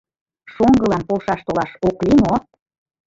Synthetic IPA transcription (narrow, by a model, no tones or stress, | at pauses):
ʃoŋɡɤlɑnpolʃɑʃt̪olɑʃoklimo